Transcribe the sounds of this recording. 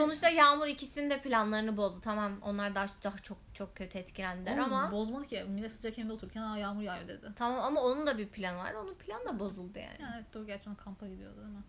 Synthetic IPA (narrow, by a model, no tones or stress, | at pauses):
so̞nut͡ʃt̪ʰˠajaːmuɾicʰisinind̪ɛpʰilʲanlˠaɾɯnɯbo̞zd̪ut̪ʰamamo̞̰nlˠaɾd̪ad̪aɦat͡ʃʰo̞k̚t͡ʃʰo̞k̚cʰːø̞t̪ʰɛt̪cʰilʲænd̪ilʲɾamabo̞zmad̪ˠɯcʰimilʲɛsɯd͡ʒacʰemind̪ɛo̞t̪ʰuɾcʰʲænaajaːmuɾjaːjod̪ed̪ɪt̪ʰamamamao̞nund̪abiɾpʰilʲanva̰ɾd̪o̞nupʰilʲanɯd̪abo̞zulˠd̪ɯja̰ːnjanɛvɛt̪d̪ɛɟæɾt͡ʃakʰampʰaɡid̪ijo̞̰d̪ud̪imɛ